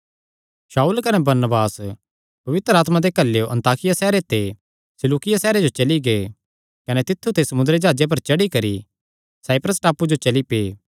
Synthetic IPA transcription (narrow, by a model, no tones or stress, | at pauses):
saːuːlkɐnebɐɾnəbaːs | pɐʋɪt̪ɾəaːt̪mad̪ekɐlːejoʔɐ̰̃nt̪aːkɪjasɛːɾet̪e | sɪluːkɪjasɛːɾed͡ʒot͡ʃɐliɡee | kɐnet̪ɪt̪ʰːut̪esɐmʊ̃nd̪ɾed͡ʒaːd͡ʒep̬ɐɾt͡ʃɐɽikɐɾḭ | saːɪpɾəsʈaːpud͡ʒot͡ʃɐlipeː